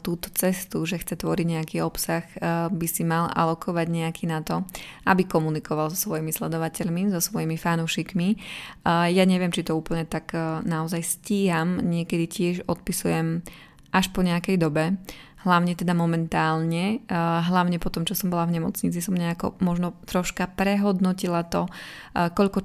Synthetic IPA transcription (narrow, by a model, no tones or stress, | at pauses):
t̪uːt̪ɔ̥t͡sɛst̪uʒɛxt͡sɛt̪ʋɔɾiɟɲɛakiːɔpsaxbisimalʔa̰lɔkʰɔʋaɟɲɛakiːnat̪ɔʔabikɔmunikɔʋalzɔsʋɔjimislɛd̪ɔʋacɛʎmizɔsʋɔjimifanuːʃikmi | jaɲɛʋɪɛmt͡ʃit̪ɔuːpl̩ɲɛt̪aɡnaɔzajsciːɦamɲɪɛkɛd̪icɪɛʒɔt̪̚pisujɛm | ʔaʃpɔɲɛakɛjd̪ɔbɛ | ɦlaʊɲɛt̪ɛd̪amɔmɛnt̪aːlɲɛɦlaʊɲɛpɔt̪ɔmt͡ʃɔsɔmbɔlavɲɛmɔ̰t͡sɲit͡sisɔmɲɛakɔ̰mɔʒnɔt̪ɾɔʃkapɾɛɦɔd̪nɔcilat̪ɔ | kɔʎkɔ